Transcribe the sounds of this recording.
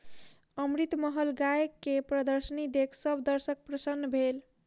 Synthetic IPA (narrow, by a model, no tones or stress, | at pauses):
əmɾit̪məɦəlɡajkːepɾəd̪əɾsənid̪ekʰsəbʱd̪əɾsək̚pɾəsənːbʱel